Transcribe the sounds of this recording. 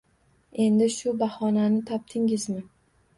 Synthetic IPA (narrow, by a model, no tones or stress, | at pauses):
e̞nd̪ɪʃʊbahɒnanɪt̪ʰɒp̚t̪ʰɪŋɪzmɪ